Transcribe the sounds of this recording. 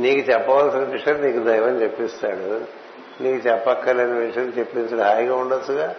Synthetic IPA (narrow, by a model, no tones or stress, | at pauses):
niːkut͡ʃɛpːɐʋɐlsinɐʋiʂɐlniːkud̪ɐjʋɐnit͡ʃepːist̪aːɽu | niːkut͡ʃɛpːɐkːɐlenɐʋiʂjɐt͡ʃepːinɐsɐɽɦaːjɡaːuɳɖɐt͡ʃːuɡaː